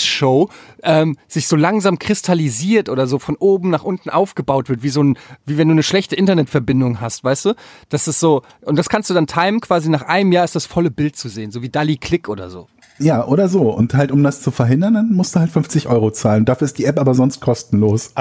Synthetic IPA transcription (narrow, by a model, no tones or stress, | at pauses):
ʃoʊʔɛːmz̥ɪçz̥oːlaŋzaːmkʁ̥ɪstʰaliziːɐtʔoːdɐzoːfɔnʔoːbm̩naːχʔʊntn̩ʔaʊfɡ̥əbaʊtv̥ɪɐtv̥iːzoːnviːvɛnduːnəʃlɛçtəʔɪntɐnɛtfɛɐbɪndʊŋɦastv̥aɪstd̥uːd̥asɪstz̥oː | ʔʊnt̚d̥askʰanstd̥uːdantʰaɪmkv̥aːzinaːχʔaɪnəmjaːɪstd̥asfɔləbɪlt̚t͡suzeːənzoːviːdalikʰl̥ɪkʔoːdɐ̰zo̰ː | jaːʔoːɾɐzoːʊ̰nthaltʊmdast͡sufɛɐɦɪndɐndanmʊstd̥uːhaltfʏɱft͡sɪçʔɔʏʁot͡saːləndaːfyːɐɪstd̥iːʔɛpʔaːbɐzɔnst̚kʰɔstn̩loːs